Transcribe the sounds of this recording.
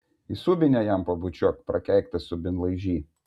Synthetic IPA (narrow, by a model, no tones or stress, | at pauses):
isubʲɪnʲɛjæmpɐbʊt͡ʃʲɔːkpɾɐkʲɛˑɪkt̪ɐsʊbʲɪnlˠɐɪʒʲiː